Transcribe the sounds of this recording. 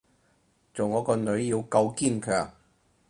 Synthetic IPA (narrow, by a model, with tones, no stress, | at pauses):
t͡so˨wŋɔː˨˧˥kɔː˧nɵ˨˥ɥjiː˧wkɐ˧wkiː˥nkʰœː˨ŋ̚